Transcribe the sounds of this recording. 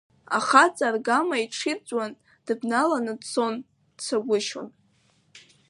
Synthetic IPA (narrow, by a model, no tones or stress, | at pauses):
a̰χat͡sʼarɡamaiʈ͡ʂʰit͡sʷʼwan | d̥ɨbnalanɨdt͡sʰo̞n | t͡sʷʰaɡʷʊʃo̰n